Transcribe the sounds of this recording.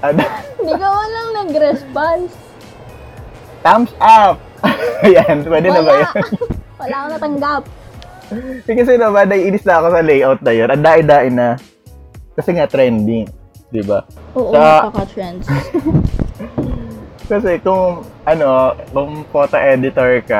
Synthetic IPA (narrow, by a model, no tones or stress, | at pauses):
ʔɐd̪d̪iɡɐwɐnlɐŋnɐɡɾɛspans | t̪amsʔap̚ɐjanpwɛːd̪ɛnɐbɐjanwɐlaːkonɐt̪ɐŋɡap̚ | ɛkɐsɛnobad̪ɐʔiːnɪsnɐʔɐko̞sɐlɛjʔawt̪̚nɐjonʔɐnd̪aːʔɪnd̪aːʔɪnɐ | kɐsɛŋat̪ɾɛnd̪ɪŋ | d̪ɪbaʔoːʔɐkot̪ɾɛns | kɐsɛkʊŋʔɐno̞kʊŋpoːt̪oʔɛd̪ɪt̪oɹkɐ